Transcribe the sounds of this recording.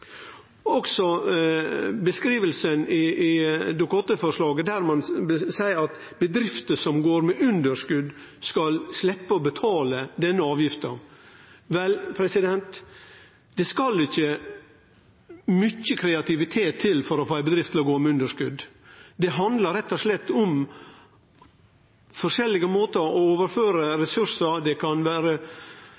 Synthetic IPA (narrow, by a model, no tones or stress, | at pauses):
ɔksɔ | bəskɾiːʋəlsənɪɪd̪ʊkːɔt̪ːəfɔʂɭɑːɡəd̪æɾmɛnsæɪɾɑt̪ | bəd̪ɾɪft̪əsɔmɡoːɾmɛʔʉnd̪əʂkʉd̪skɑlslɛpːəɔbət̪ʰɑːləd̪ɛnːəɑːʋjɪft̪ə | ʋɛlpʰɾɛsɪd̪ɛnt̪ | d̪̥ɛskɑlɪçːə | mʏçːəkʰɾɛɑt̪ɪʋɪt̪ʰeːt̪ʰːɪlfɔɾɔfɑːæɪbəd̪ɾɪft̪ʰːɪlɔɡoːmɛʉnd̪əʂkʉd̪ | d̪ɛɦɑnd̪ləɾɛt̪ːɔʂlɛt̪ːɔm | fɔʂɛlːɪɡəmoːt̪əɾɔoːʋəɾføːɾəɾɛsʉsəɾd̪ɛkʰɑnʋæːɾə